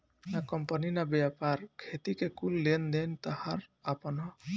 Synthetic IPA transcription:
nakɔmpɔninabjapaɾkʰet̪ikekulːend̪ent̪ahaɾapɔnɦɔ

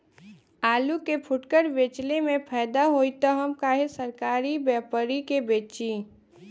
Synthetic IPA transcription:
aːlukepʰʊʈkəɾʋeːt͡ʃlemẽpʰɛːd̪aɦoːit̪əɦəmkaːɦesəɾkaːɾibɛːpəɾikebeːt͡ʃiː

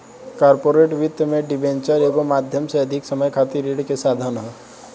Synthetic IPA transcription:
kaɾpoːɾeʈʋɪt̪jmẽɖɪbẽnt͡ʃəɾeːɡomaːd̪ʱjəmseɐd̪ʱɪksəməjkʰaːt̪iɾeɽkesaːd̪ʱaːnɦə

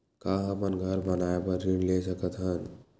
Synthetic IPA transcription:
kaːɦə̃pənɡʱəɾbənaːebəɾinleːsəkət̪ɦən

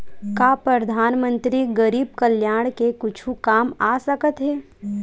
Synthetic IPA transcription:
kaːpɾɐd̪ʱaːnmə̃nt̪ɾiɡəɾiːb̚kəljaːɽ̃kekʊt͡ʃʰũkaːmaːsɐkət̪ɦɛː

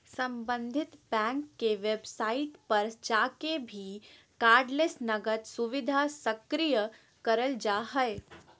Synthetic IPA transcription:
sɐ̃mbə̃nd̪ʱɪt̪bɛ̃ːŋkːeʋebsaːɪt̪pɐɾd͡ʒaːkebʱi | kaːɾɖlesnɐɡət̪sʊʋɪd̪ʱasɐkɾijə | kɐɾəld͡ʒaːɦəe

